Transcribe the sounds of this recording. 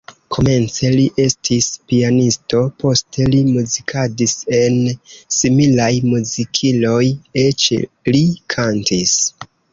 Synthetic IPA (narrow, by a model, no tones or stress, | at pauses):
kʰo̞me̞nt͡se̞liʔe̞stʰispianisto̞pʰo̞stʰe̞limuzikʰadise̞nsimilajmuzikʰilo̞jet͡ʃlikʰantis